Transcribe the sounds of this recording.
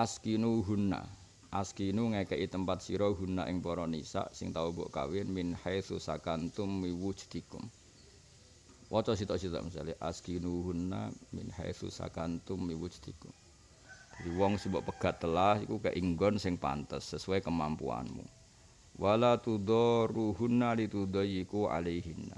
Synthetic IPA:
ʔaskinuɦunːa̰ | ʔaskinuŋaikəʔit̪əmpat̪̚siɾɔɦunːa̰ʔɪŋpɔɾɔnisa̰ʔsɪŋt̪aubɔ̰ʔka̰wɪnmɪnhajθusakant̪ʊmːiwut͡ʃt̪ikʊ̰m | wʔɔt͡ʃɔsit̪ɔʔsit̪ɔ̰ʔmisa̰liʔaskinuɦunːa̰mɪ̰nha̰jθṵsa̰kant̪ʊmːiwud͡ʒt̪ikʊm | d͡ʒadiwɔŋsibɔʔpəɡ̥at̪ːəlasikukaʔiŋɡɔnsɪŋpa̰nt̪əsːəsuɛkəmampṵa̰nmṵ | wʔalat̪ud̪ɔruɦunːalit̪ud̪ɔjikuʕa̰leɦinːa̰

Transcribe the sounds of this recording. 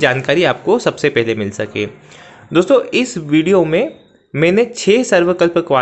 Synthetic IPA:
d͡ʒaːnkaːɾiaːp̚kosɐbsepɛɦlemɪlsɐkḛː | d̪oːst̪õɪsʋiːɖijomẽ | mɛ̃ːnet͡ʃʰeːsɐɾʋəkəlpkʋaː

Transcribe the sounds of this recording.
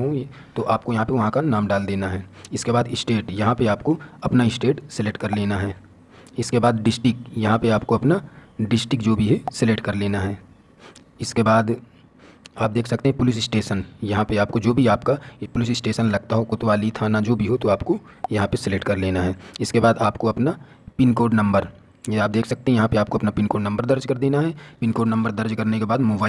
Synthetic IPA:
ɦõ | t̪oʔaːpkojɐɦãpeʋɐɦãkanaːmɖaːld̪eːnaɦɛːɪskebaːd̪ɪsʈeːʈjɐɦãpeaːpkoɐpnaɪsʈeːʈsɪleːʈkɐɾleːnaɦɛː | ɪskebaːd̪ɖɪsʈɪkjɐɦãpeaːp̚koɐpnaɖɪsʈɪkd͡ʒoːbʱiɦɛsɪleʈ̚kɐɾleːnaɦɛː | ɪskebaːd̪ | aːp̚d̪eːkʰsɐk̚t̪eɦɛ̃pʊlɪs̬ɪsʈeːʃənjɐɦãpeaːp̚kod͡ʒoːbʱiaːpkapʊlɪsɪsʈeːʃənlɐɡ̚t̪aɦokʊt̪ʋaːlit̪ʰaːnad͡ʒoːbʱiɦot̪oaːpko | jɐɦãpesɪleːʈkɐɾleːnaɦɛːɪskebaːd̪aːpkoɐpna | pɪnkoːɖnɐ̃mbəɾ | jeaːp̚d̪eːkʰsɐk̚t̪eɦɛ̃jɐɦãpeaːp̚koɐpnapɪnkoːɖnɐ̃mbəɾd̪ɐɾd͡ʒkɐɾd̪eːnaɦɛpɪnkoːɖnɐ̃mbəɾd̪ɐɾd͡ʒkɐɾnekebaːd̪moːbaː

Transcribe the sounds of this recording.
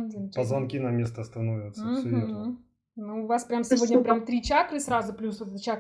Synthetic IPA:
dʲenʲpəzvɐnkʲinɐmʲest̪əɐst̪ɐnovʲət̪səsʲvʲ | nuʊvaspɾʲamsʲɪvʲo̞dʲnʲəpɾʲamt̪ɾʲit͡ɕakɾɨsrazʊplʲusvot̪ɛt̪t͡ɕak

